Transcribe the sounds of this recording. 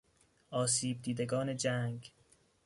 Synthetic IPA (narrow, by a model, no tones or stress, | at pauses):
ʔɒːs̬iːb̚d̪iːd̪eɡɒːne̞d͡ʒæŋɡ